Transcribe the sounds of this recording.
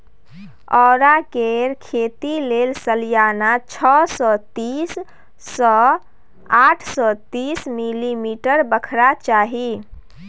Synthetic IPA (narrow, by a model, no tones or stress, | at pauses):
ɔɾakeɾkʰet̪ilelsəlijanat͡ʃʰɔsɔt̪isː | ɔ | aʈʰsɔt̪ismilimiʈəɾbəkʰɾat͡ʃaɦi